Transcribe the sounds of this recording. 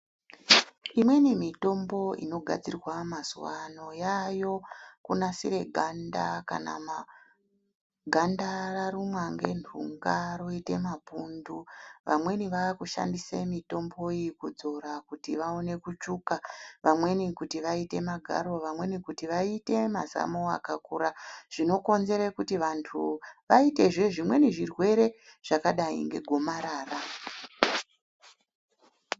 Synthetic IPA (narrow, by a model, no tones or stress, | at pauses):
imwe̞nimito̞mbo̞ʔḭno̞ɡʱa̰d͡zirrwamaz̥ṵʋano̞jajo̞kunasiɾe̞ɡʱanda̰ka̰na̰ma | ɡʱandararumwaŋɡe̞̰nʰṵŋɡaroite̞mapunduʋa̰mwe̞niʋaakuʃa̰ndisemito̞mbo̞ikud͡zo̞ɾakutiʋaone̞kut͡ʂukaʋamwe̞nikutiʋaite̞maɡʱa̰ɾo̞ʋamwe̞nikutiʋaite̞ma̰za̰moa̰kakuɾaʐ̥ino̞ko̞nze̞ɾekutiʋantʰuʋaite̞ʐeʐimwe̞niʐirwe̞ɾe̞ʐ̥akaɗaḭŋɡe̞̰ɡʱo̞maɾaːra